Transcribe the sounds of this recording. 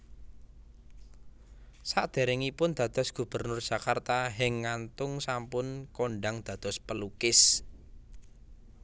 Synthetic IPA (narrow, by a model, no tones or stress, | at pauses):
saʔd̪̥e̤ɾɪŋipʊnd̪̥a̤d̪̥ɔ̤sɡ̥ṳb̥ə̤rnʊrd̥ʒ̥ä̤kart̪aɦɪŋːant̪ʊŋsampʊnkoɳɖaŋd̪̥ä̤d̪̥ɔ̤spəlukɪs